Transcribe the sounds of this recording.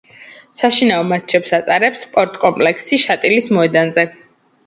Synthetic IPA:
saʃinaɔmat̪̚t͡ʃʰɛpsat̪sʼaɾɛpspʼɔɾt̪ʼkʼɔmpʼlɛkʰsiʃat̪ʼilismɔɛd̪anzɛ

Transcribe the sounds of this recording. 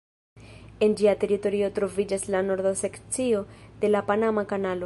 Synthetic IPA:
e̞nd͡ʒiate̞ɾito̞ɾio̞tɾo̞vid͡ʒaslano̞ɾd̪ose̞kt͡sio̞d̪̥e̞lapanamakanalo̞

